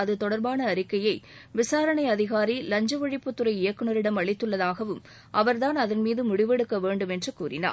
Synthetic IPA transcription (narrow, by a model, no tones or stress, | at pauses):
ɐðɯt̪ɔɽɐɾbaːnɐːɾɪkːɐjɐɪʋɪsaːɾɐɳɐɪɐðɪɣaːɾilɐɲd͡ʒɐʋɐɻɪpːɯt̪ːɯɾɐɪɪjɐkːɯnɐɾɪɽɐmɐɭɪt̪ːɯɭːɐðaːɣɐʋɯm | ʔɐʋɐɾðaːnɐðɐnmiːðɯmʊɽɪʋɛɽɯkːɐʋeːɳɖɯmɛndrɯkuːrɪna̰ː